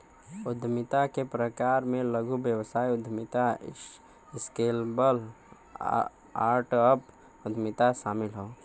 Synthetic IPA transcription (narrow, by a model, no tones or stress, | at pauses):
ʊd̪ʱmɪt̪akepɾəkaːɾmẽləɡʱubjəwsaːiʊd̪ʱmɪt̪a | ɪskeːlbəl | aːɾʈəp | ʊd̪ʱmɪt̪aʃaːmɪlɦoo